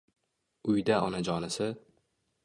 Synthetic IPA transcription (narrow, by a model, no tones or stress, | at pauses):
ʊjd̪aʔɒnad͡ʒɒnɪsɪ